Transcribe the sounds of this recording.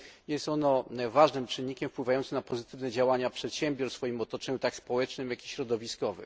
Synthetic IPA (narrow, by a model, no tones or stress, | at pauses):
jɛst̪ɔnɔvaʐnɘmt͡ʂɘnːikʲɛmfpwɘvajɔnt̪sɘmnapɔzɘt̪ɘvnɛd͡ʑawaɲapʂɛt̪ɕɛmbʲjɔɾsfɔjimɔt̪ɔt͡ʂɛɲut̪akspɔwɛt͡ʂnɘmjakʲiɕɾɔd̪ɔvʲiskɔvɘ̰m